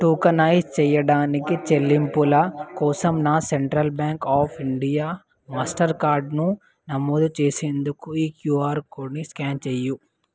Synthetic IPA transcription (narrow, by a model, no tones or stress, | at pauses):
ʈuːkɐnaːjst͡ʃɛːjɐɽaːnikit͡ʃe̞lːimpulɐkɔːsɐmnaːseɳʈɾɐlbjaːŋkaːpʰiɳɖijaː | maːsʈɐɾkaːɾɖnu | nɐmoːd̪ut͡ʃeːseːnd̪ukuiːkjuːaːɾkoːniskaːnt͡ʃeːju